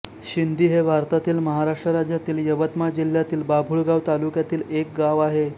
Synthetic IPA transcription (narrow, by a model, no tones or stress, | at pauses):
ɕind̪ʱiːɦebʱaɾt̪at̪iːlməɦaɾaʂʈɾəɾad͡ʑjat̪iːljəʋət̪mad͡ʑil̤ːjat̪iːlbabʱuːɭɡaʋt̪alukjat̪iːlek̚ɡaʋaɦe